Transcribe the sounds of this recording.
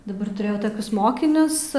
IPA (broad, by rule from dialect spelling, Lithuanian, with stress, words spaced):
dɐˈbɐr tʊˈrʲeːjɛʊ toːˈkʲʊs ˈmoːkʲɪnʲʊs